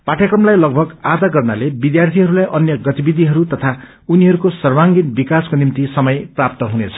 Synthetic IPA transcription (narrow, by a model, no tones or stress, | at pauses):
paʈʰjakrʌmlajlʌɡ̚bʱʌɡad̪aɡʌrnalebid̪jart̪ʰiɦʌɾulajʔʌnjʌɡʌt̪ibid̪iɦʌɾut̪ʌt̪ʰa | uniɦʌɾukosʌrwaŋɡinbikaskonimt̪isʌmʌjprap̚t̪ʌɦunet͡sʰʌ̥